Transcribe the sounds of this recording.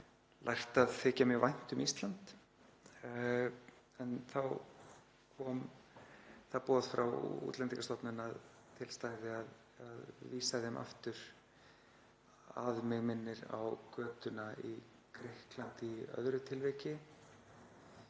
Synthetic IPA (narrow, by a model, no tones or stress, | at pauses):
lʔajxt̪aðθɪcamvajn̥t̪ʏmist̪lant̪ | ɛnθaw | kʰɔːm | θawpɔːðfɾawṵːt̪lɛnt̪ikast̪ɔpnʏnað | t̪ʰɪlst̪ajðɪað | aðviːsaðɛmʔa̰ft̪ʏɾ̥ | a̰ðmɪɣmɪnːɪɾa̰wkœːt̪ʏnai | kʰɾɪhklant̪iœ̰ðɾʏt̪ʰɪlvɛcɪ